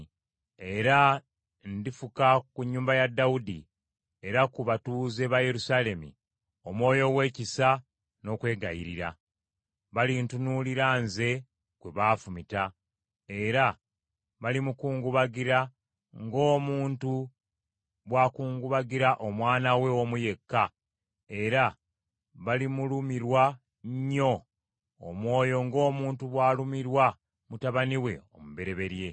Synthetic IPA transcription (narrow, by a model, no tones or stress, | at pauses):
e̞ɾa | ndifukakuɲːuːmbajadːaudḭ | e̞ɾakuβatuːze̞βaje̞ɾusaːle̞mḭ | o̞mwo̞ːjo̞we̞ːcisa | no̞ːkwe̞ːɡajḭɾḭɾa̰ | βalintunuːliɾaːnze̞ | kwe̞βaːfumita | e̞ɾa | βalimukuːŋɡuβaɡiɾa | ŋɡo̞ːmuːntu | βwaːkuːŋɡuβaɡiɾaʔo̞mwaːnawe̞omuje̞kːa | e̞ɾa | βalimulumiɾwa | ɲːo̞̰ː | mwo̞ːjo̞ŋɡo̞ːmuːntuβwaːlumiɾwa | mutaβaniwe̞̰o̞̰muβe̞ɾe̞βe̞ɾje̞